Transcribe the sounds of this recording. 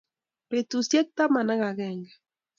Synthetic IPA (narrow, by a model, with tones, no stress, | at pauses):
pe˨t̪usjɛ˦k̚t̪a˦ma˨na˦ɣa˨ɣɛŋɡe˨